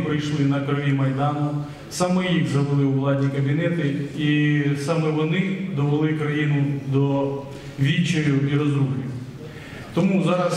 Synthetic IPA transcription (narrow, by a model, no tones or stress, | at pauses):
pɾɪjʃlˠɪnɐkɾɔʋʲimɐjd̪ɑnʊ | sɑmɛjixzɐʋɪlˠɪwʋlˠɑd̪ʲnʲikɐbʲinɛt̪ɪisɑmɛʋɔnɪd̪ɔʋelˠɪkɾɐjinʊd̪ɔ | ʋʲit͡ʃeɾʲuiɾɔzɾublʲu | t̪ɔmuzɑɾɐs